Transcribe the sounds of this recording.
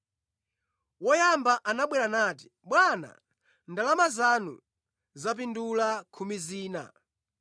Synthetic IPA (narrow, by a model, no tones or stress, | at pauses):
wɔjambaʔanaɓwɛɾanaːt̬i̥ | ɓwana̰ | ndalamazanṵ | zap̬indulakʰumiziːna̰